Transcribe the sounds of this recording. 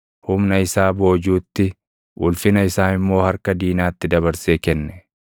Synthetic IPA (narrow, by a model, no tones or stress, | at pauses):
hʊmnɐɪsaːbo̞ːd͡ʒuːt̪ːɪ | ʔʊlfɪnɐɪsaːɪmːo̞ːhɐɾkɐd̪iːnaːt̪ːɪd̪ɐbɐɾseːkɛnːɛ̥